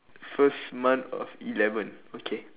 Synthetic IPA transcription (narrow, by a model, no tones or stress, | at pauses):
fəsmãntɔ̰filɛvə̃n | okʰe